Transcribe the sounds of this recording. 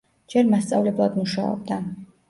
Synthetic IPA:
d͡ʒɛɾmast̪sʼavlɛblˠad̪muʃa̰ɔ̰bd̪a

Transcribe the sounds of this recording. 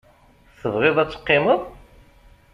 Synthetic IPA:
θəvʁɪðˤæt͡sːə̥qːɪməðˤ

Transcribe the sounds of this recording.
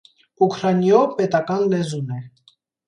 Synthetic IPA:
ukʰɾɑnjɔpɛt̪ɑkɑnlɛzunɛ

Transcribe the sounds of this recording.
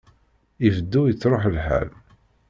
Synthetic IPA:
ivəd̪ːujət͡sːɾˤoħlħæ̰l

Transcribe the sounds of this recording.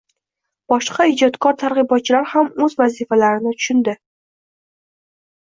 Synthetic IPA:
b̥ɒʃqʰɑɪd͡ʒɒt̪kʰɒɾt̪ʰaɾʁɨbɒt̪̚t͡ʃʰɪlaɾhamɵzvazifalaɾɪnɪt̪ʰʊ̥ʃʊnd̪ɪ

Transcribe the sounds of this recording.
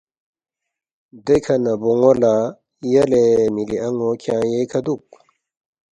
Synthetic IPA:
d̪ekʰɐnɐboŋola | jɐlemiliʔɐŋokʰãːjekʰɐd̪uk̚

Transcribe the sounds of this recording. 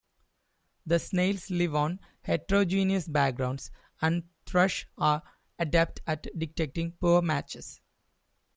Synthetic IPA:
d̪əsneɪlsliʋɔ̃ːn | heʈɾoːd͡ʒĩːniəsbæk̚ɡɾãʊ̃ɳɖs | æ̃ɳɖ | t̪ʰɾʌʃaːɾ | əɖæp̚ʈæʈɖɪk̚ʈek̚ʈĩŋpuəɾmæt͡ʃes

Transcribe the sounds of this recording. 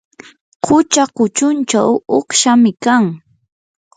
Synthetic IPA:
qʰʊt͡ʃaqʊt͡ʃʊnt͡ʃawoχʃamɪkaŋ

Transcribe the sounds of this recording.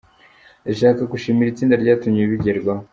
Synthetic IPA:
eʃaːkaɡuʃiːmiɾit͡siːndaɾɟaːtumɲieβiɟeɾɡwa

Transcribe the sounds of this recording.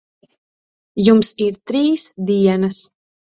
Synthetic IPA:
jumsiɾt̪ɾiːsd̪iɛnɐs

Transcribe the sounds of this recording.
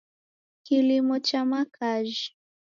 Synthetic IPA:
kilimɔt͡ʃamakʰaʒi

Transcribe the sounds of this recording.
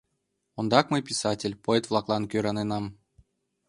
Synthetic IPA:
ŏnd̪ɑkmɨjpʲisɑtʲelʲpoɛt̪vlˠɑklˠɑnkʲøɾɑnenɑm

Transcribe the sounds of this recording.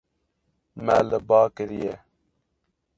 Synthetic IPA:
mɛləbɑːkəɾijɛ

